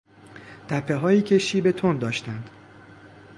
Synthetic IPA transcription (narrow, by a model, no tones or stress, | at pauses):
t̪ʰæpʰːe̞ɦɒːjiːcʰe̞ʃiːbe̞t̪ʰond̪ɒːʃt̪ænd̪̥